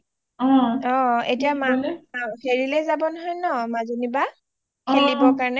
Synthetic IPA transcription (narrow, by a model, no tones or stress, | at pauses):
ɔɔ̃ḛtijamaafʰeɹilɛzabɔnɔɦɔjnɔmazoniba | kelibɔkaɹnɛ